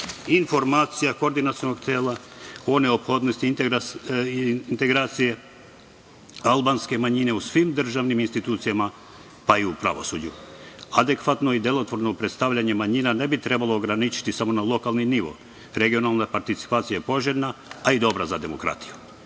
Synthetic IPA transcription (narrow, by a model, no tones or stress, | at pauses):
info̞ɾmaːt̪sijakoɾd̪inat̪sionoɡt̪eːla | o̞neopxo̞d̪nost̪i | nt̪e̞ɡɾaːt̪sije̞ | alˠbanske̞maɲine̞usʋimd̪r̩ʒaʋniminst̪it̪uːt̪sijama | paiupɾa̰ʋo̞̰sud͡ʒuad̪e̞kʋat̪no̞id̪e̞lo̞t̪ʋo̞ɾnopɾe̞t̪st̪aʋʎaɲe̞maɲinane̞bit̪ɾe̞balˠoːɡɾanit͡ʃi̥t̪isamo̞nalˠo̞kalˠniniʋo̰ | ɾe̞ɡio̞nalˠnapaɾt̪it̪si̥paːt̪sijaepo̞ʒeɾnaːid̪o̞bɾazad̪e̞mo̞̰kɾa̰t̪i̥ju̥